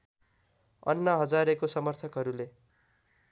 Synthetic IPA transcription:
ʌ̰nːʌɦʌd͡zaɾekosʌmʌrt̪ʰʌkɦʌɾule

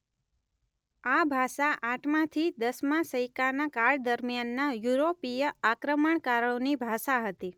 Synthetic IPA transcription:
abʱaʃaʔaʈʰmãt̪ʰid̪əsmãsəjkanakaɭd̪əɾmjanːajuɾopijəakɾəməɳkaɾəɭonibʱaʃaɦət̪i

